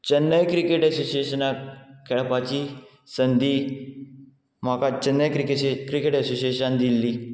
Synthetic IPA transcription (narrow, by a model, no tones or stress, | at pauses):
t͡ɕənːəjkɾikeʈəsosiesənakʰɛɭpat͡ɕi | sənd̪iː | m̤akat͡ɕənːəjkɾikekɾikeʈəsosiesənd̪ilːiː